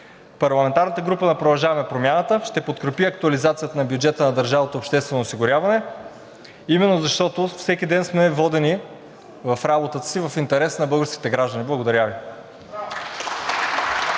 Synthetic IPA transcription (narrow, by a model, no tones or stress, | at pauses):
pɐɾlˠɐmɛnt̪aɾnət̪əɡɾupənɐpɾod̪ɐlˠʒavɐmɛpɾomʲjanət̪əʃt̪ɛpot̪kɾɛpiɐk̚t̪uɐlizat̪sijət̪ənɐbjud͡ʒɛt̪ənɐd̪əɾʒavət̪oopʃt̪ɛst̪vɛnosiɡʊɾʲavɐnɛ | imɛnːozɐʃt̪ɔt̪ofsɛk̟ʲid̪ɛnsmɛvɔd̪ɛni | vɐfɾabot̪ət̪ə̥sivɐfint̪ɛɾɛsnɐbɤlˠɡəɾskʲit̪ɛɡɾaʒd̪əniblˠɐɡod̪ɐɾʲavi